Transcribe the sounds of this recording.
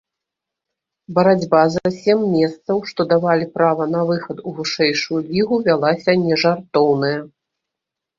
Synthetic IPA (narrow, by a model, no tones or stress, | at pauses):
bɐɾad͡zʲbazasʲɛmːʲɛst̪sɐwʂt̪ɔd̪avalʲipɾavɐnɐvɨxɐt̪uvɨʂɛjʂujulʲiɣuvʲalˠasʲɐnʲɛʐart̪ɔwnɐjɐ